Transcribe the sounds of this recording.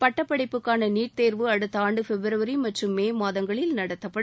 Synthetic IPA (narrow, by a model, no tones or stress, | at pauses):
pɐʈːɐpːɐɽɐɪpːɯkːaːnɐniːʈ̚t̪eːɾʋɯɐɽɯt̪ːɐaːɳɖɯfɛbɪɾɐʋɐɾimɐʈrɯmːeːmaːðɐŋɡɐɭɪlnɐɽɐt̪ːɐpːɐɽ